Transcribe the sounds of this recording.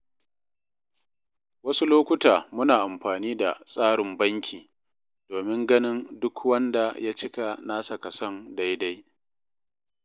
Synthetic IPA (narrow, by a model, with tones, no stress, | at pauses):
wɐ˦su˦loː˦kʷʊ˦taː˨mʊ˦naː˨ʔa˨mɸaː˨niː˦da˨sʼaː˦ɽɪ˨mbɐ˦ŋkʲʰiː˨ | doː˨mɪ˦ŋɡɐ˦nɪ˦ndʊ˦kʰwɐ˦nda˨ja˦t͡ʃɪ˦ka˨naː˦sa˨kɐ˨sɔ˦nda˦jda˦j